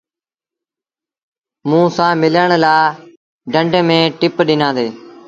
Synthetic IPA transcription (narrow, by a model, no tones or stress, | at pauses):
mũːsãːmɪləɳlaː | ɖʱəɳɖmẽːʈɪpɗɪnãːd̪eː